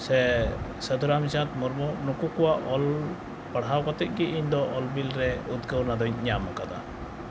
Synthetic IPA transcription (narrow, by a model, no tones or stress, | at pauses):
sɛsəd̪uɾamisat̪mɔɾmɔnukukɔwaʔɔl | paɽɦawkat̪ɛc̪̚ˀɡɛiɲd̪ɔʔɔlbilɾɛud̪ɡəwnad̪ɔɲɲamakad̪a̰